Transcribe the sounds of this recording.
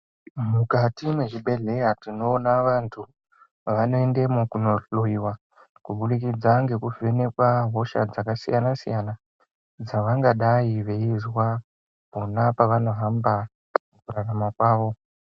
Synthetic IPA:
mukatimwe̞ʐiɓe̞ɮe̞jatino̞ːnaʋantʰu | ʋano̞endemukunoloiwa | kuɓuɗikid͡zaŋɡe̞kuve̞ne̞kwaɦo̞ʃa̰d͡zakasḭjanasḭjana | d͡zaʋaŋɡaɗaiʋe̞izwa | ponapaʋano̞ɦamba | mukuraramakwaːʋo̞

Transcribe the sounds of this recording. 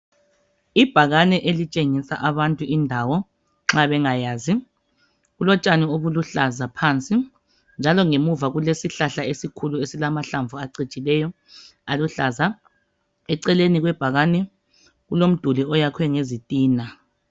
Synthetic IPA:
ib̥ʱaɣanɛʔelit͡ʃʼeŋisa̰ʔaβantʼuindʱawɔ | ŋ͡ǁaβɛŋajaːzi | ɣulɔt͡ʃʼanɛoβuluɬazapʰant͡sʼi | nd͡ʒʱalɔŋemuvaɣulesiɬaɬaesikʰuluesilamaɬaɱvuaǀit͡ʃʼilɛjɔ | aluɬaza | ɛǀɛleniɣwɛb̥ʱaɣanɛ | ɣulom̩d̥ʱuliɔjakʰwɛŋezitʼiːna

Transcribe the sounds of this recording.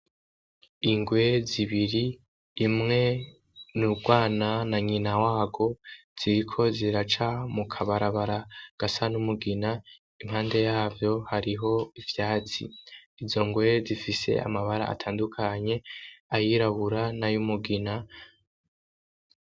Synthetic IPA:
iŋɡwe̞ziβiɾiː | mŋe̞ | nuɡwaːnanaɲinawaːɡo̞ | z̥iɾikʰo̞ziɾat͡ʃamukʰaβaɾaβaɾaɡ̥asanumuɡina | im̥haːnde̞jaːvjo̞haɾiɦo̞ivjaːt͡sḭizo̞ŋɡwe̞zifise̞̰a̰maβaɾa̰a̰tʰaːndukʰaɲe̞ajiɾaβuɾanajumuɡina

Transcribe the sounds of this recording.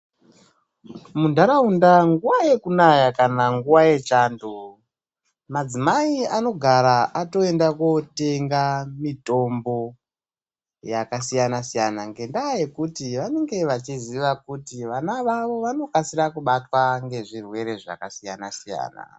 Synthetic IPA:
mundʱaɾaundaŋɡuwaje̞kunajakanaŋɡuwaje̞t͡ʃaːndo | mad͡zimaiano̞ɡʱaɾaʔato̞e̞ndakote̞ŋɡamito̞mbo̞ | jakasijanasijanaŋɡe̞ndaːje̞kutiʋane̞ŋɡe̞ʋat͡ʃiziʋakutiʋanaʋaʋo̞ʋano̞kasiɾakuɓatwaŋɡe̞ʐirwe̞ɾe̞ʐa̰kasijanasija̰ːna̰

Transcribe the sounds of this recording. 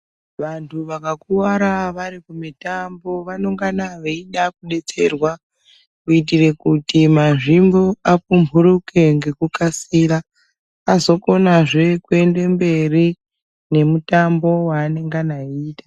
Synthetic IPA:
ʋantʰuʋakakuwaɾaʋaɾikumitambo̞ʋano̞ŋɡanaʋeiɗakuɗe̞t͡se̞rwa | kuitire̞kutimaʐimboapumbʱuruke̞ŋɡe̞kukasiɾaː | zo̞ko̞naʐe̞kue̞nde̞mbe̞ri | ne̞mutambo̞waːne̞ŋɡanaiːtḁ

